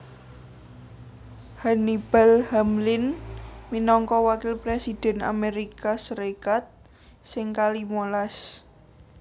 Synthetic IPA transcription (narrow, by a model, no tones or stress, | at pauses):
hanib̥alhamlɪnminɔŋkɔwakɪlpɾesid̪̥ɛ̤na̰meɾikasəɾekat̪̚ | sɪŋkalimolas